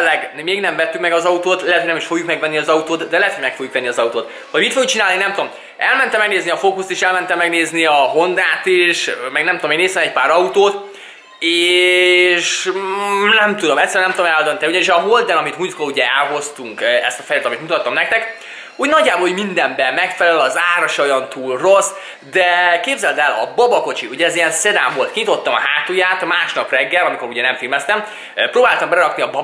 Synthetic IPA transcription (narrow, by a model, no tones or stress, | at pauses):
lːɛɡmeːɡnɛɱvɛt̪ːykmɛɡɒzɒut̪oːt̪lilɛt̪ojnɛmiʃfo̞ɡjukmɛɡvɛnːiɒzɒut̪oːt̪d̪ɛlɛɦɛt̪hojmɛkfo̞ɡjukvɛnːiɒzɒut̪oːt̪ | hɒjmit̪fojukt͡ʃinaːlninɛmt̪uo̞m | ʔɛlmɛnt̪ɛmɛɡneːzniɒfokust̪eːʃɛlmɛnt̪ɛmːɛɡneːzniɒɦond̪aːt̪iʃmɛɡnɛmt̪udomeːneːst̪ɛmɛcpaːɾɒut̪oːt̪ | eː | ʃ | nɛmt̪ud̪o̞mɛt̪sɛɾɛnɛmt̪oomɛld̪ønt̪ɛniuɟɒniʃɒɦold̪ɛnɒmit̪mujt̪koluɟɛɛlɦo̞st̪uŋkɛst̪ɒfɛjlːt̪ɒmit̪mut̪ɒt̪ːɒmnɛk̚t̪ɛk | uːɟnɒɟːaːboːluɟmind̪ɛmbɛmɛkfɛlɛɛlɒzaːɾɒʃojɒnt̪uːlro̞s | d̪ɛkeːbzɛld̪ɛlɒ̰bɒbɒko̞t͡ʃiuɟɛzijɛnsed̪a̰ːmvo̞lt̪kiɲit̪o̞t̪ːɒmɒɦaːt̪ujaːt̪ɒmaːʃnɒprɛɡːɛlɒmiko̞ɾuɟɛnɛɱfilmɛst̪ɛm | pɾoːbaːlt̪ɒmbɛlɛɾɒkniɒbɒ